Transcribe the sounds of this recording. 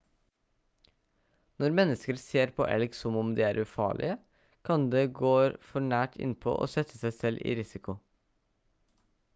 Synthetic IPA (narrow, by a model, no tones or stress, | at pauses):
nɔɾmɛnəskəɾseːɾpʰo̰ːʔɛ̰lɡsɔmʊmd̪iːæːɾʔʉfɑ̰ːɭɪ̰ə | kʰɑnd̪eːɡoːfɔɳæːʈʰɪ̰npʰo̰ːʔo̰ːsɛt̪ʰəsæɪsɛlʔḭːɾɪsɪkʊ